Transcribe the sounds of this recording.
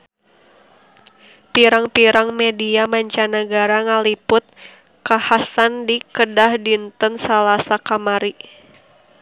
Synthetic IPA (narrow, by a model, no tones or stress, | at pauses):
piɾaŋpiɾaŋmɛdiamaɲt͡ʃanəɡaɾaŋalipʊt̪̚ | kahasandikədahdint̪ənsalasakamaɾi